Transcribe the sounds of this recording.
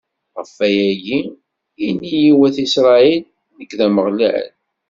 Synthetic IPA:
ʁəfːæjæʝi | inːijiwæθisɾˤɑilː | əkːðæməʁliʕə̰n

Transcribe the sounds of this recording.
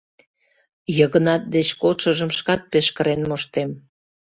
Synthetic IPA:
jəɣə̆nɑt̪̚d̪et͡ɕkoʃəʒəmʃkɑt̪̚peʃkəɾenmoʃt̪em

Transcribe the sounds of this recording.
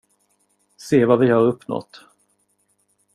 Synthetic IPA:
seːvavɪhaːɾɵpːnɔ̰t̪

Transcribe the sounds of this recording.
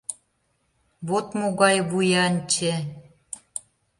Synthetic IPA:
βot̪moɣɑjβujɑnʲt͡ɕe

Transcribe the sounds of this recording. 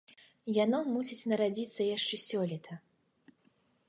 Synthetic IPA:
janɔmusʲit͡sʲnɐɾad͡zʲit̪sːɐjaʂt͡ʂɛsʲɔlʲit̪ʰɐ

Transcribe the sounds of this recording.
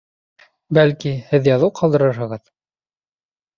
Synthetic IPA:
bælkihɘðjɑðɤwqʰɑlˠd̪ɤ̆ɾɤɾɦɤ̆ʁɤð

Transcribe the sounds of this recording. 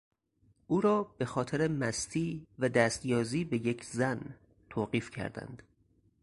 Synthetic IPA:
ʔuːɾɒːb̥e̞xɒːt̪ʰeɾemæst̪ʰiːvæd̪æːst̪jɒːziːbe̞je̞cʰzæn | t̪ʰoːɢiːfcʰæ̰ɾd̪æ̰nd̪̥

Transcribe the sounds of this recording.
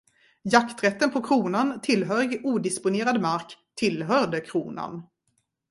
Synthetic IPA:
jakt̪ɾɛt̪ːənpʰɔkʰɾuːnant̪ʰɪlːɦœːɾɪɡuːd̪ɪspʊneːɾad̪maɾkt̪ʰɪlɦœɖəkʰɾuːna̰n

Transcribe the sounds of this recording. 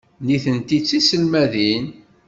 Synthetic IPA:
niθənt̪it͡sːisəlmæðin

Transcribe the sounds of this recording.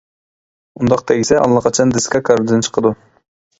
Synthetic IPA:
und̪ɑqt̪ʰɛɡʲisɛʔɑ̰lˠːɑqʰɑt͡ʃʰɑnd̪ɪskɑkʰɑɾd̪ɨnt͡ʃʰə̥qʰəd̪u

